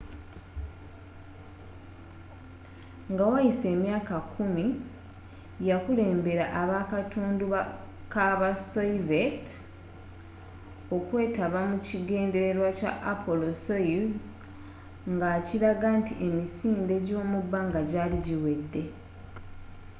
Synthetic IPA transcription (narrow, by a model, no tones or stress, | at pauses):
ŋɡawajise̞ːmjaːkakʰumi | jakule̞ːmbe̞ɾaʔaβakatʰuːnduβa | kaβasoivet | o̞kwe̞ːtaβamuciɡe̞ːnde̞ɾe̞ɾwaca̰ʔapo̞lo̞sojuz | ŋɡaːciɾaɡantiʔe̞misiːnde̞ɟo̞ːmubːaːŋɡaɟaːliɟiwe̞dːe̞